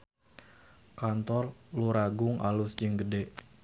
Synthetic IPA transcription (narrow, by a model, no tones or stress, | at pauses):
kant̪ɔrluɾaɡʊŋʔa̰lʊsd͡ʒəŋɡədeʔ